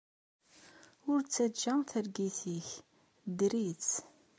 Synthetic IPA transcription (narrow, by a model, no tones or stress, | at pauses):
ʊɾt͡sːæd͡ʒːæθəɾɡiθiç | d̪ɾit͡s